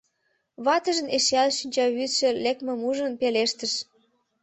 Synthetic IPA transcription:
βɑt̪əʒə̆neʃeɑlʃynʲt͡ɕɑβyt̪ʃĕlek̚mə̆muʒənpeleʃt̪əʃ

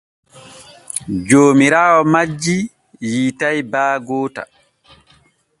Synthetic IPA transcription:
d͡ʒoːmiɾaːwɔmad͡ʒːi | jiːtajbaːɡɔːta̰

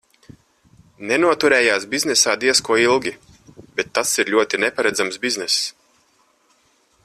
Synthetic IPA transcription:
nɛnuɔt̪uɾɛːjaːsbiznɛsaːd̪iɛskuɔilˠɡʲi | bɛt̪ːasiɾlʲuɔt̪inɛpaɾɛd̪zamsbiznɛs

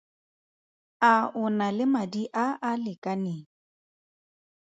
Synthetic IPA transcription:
aʊnalɪmadiʔaʔalɪkʼanɪ

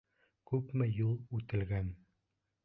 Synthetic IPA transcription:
kʉpmɘjulˠʉt̪ɘ̆lɡæn

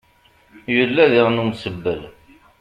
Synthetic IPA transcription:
jəlːæðiʁnumsəbːəl

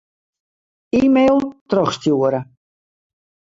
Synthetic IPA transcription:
iːmeːlˠtrɔχstjuəɾə

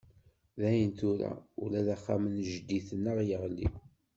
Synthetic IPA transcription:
ðæjənt̪uɾæ̰ulæðæχːamənʒd̪ːiθənːəʁjəʁlḭ

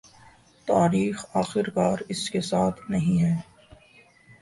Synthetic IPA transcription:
t̪aːɾiːxaːxɪɾkaːɾɪskesaːt̪ʰnɐɦĩɦɛː

